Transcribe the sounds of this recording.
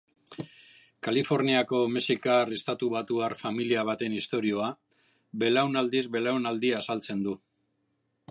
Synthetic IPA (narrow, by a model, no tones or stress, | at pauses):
kalifo̞ɾniako̞mesikarest̪at̪uβat̪uarfamiliaβ̞at̪e̞nist̪o̞ɾio̞a | be̞lawnald̪izβe̞lawnald̪iasalt͡se̞nd̪u